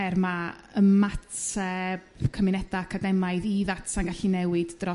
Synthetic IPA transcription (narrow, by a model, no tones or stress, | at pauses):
ɛrma | əmatʰɛb̥kʰəmɪnɛdakʰadɛmajðiðatʰanɡaɬinɛwɨd̥drɔ